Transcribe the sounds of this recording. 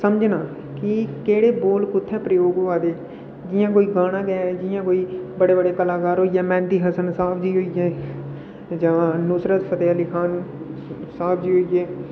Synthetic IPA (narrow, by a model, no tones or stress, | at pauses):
səmd͡ʒnãː | kɪkeːɽeːboːlkʊt̪ʰːɛːpɾəjoːɡoaːd̪eː | d͡ʒɪjãːk̬oːiːɡaːɽãːd̪ɛːɛd͡ʒɪjãːkoːiːbəɽeːbəɽeːkəlaːkaːɾɦoːiːɛːmɛ̃ːnt̪iːɦəsənsaːpʰd͡ʒiːɦoːijɛː | d͡ʒãːnʊsɾət̪sət̪eːəlikʰaːn | saːpʰd͡ʒiːɦoːijɛː